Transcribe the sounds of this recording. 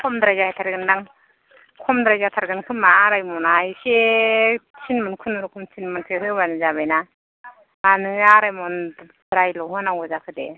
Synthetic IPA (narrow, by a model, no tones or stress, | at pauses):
kʰɔmdɾajzahajtʰaɾɡɯndaŋ | kʰɔmdɾajzatʰaɾɡɯnkʰɯmːaɾajmɔnaise | t͡ʃʰinmɯnkʰɯnɯɾɯkʰɔmt͡ʃʰinmɯnkʰeɦɯbanɯzabajna | anɯŋaɾajmɔn | dɾajlɔɦɯnawɡɯzakʰɯdḛ